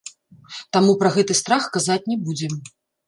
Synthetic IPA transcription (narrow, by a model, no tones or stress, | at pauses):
t̪amupɾɐɣɛt̪ɨst̪ɾaxkazat͡sʲnʲɛbud͡zʲɛm